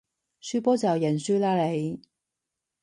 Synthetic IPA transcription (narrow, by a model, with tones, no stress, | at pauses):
syː˥pɔː˥t͡sɐ˨˩jɐ˨˩nsyː˥laː˧le˨˩j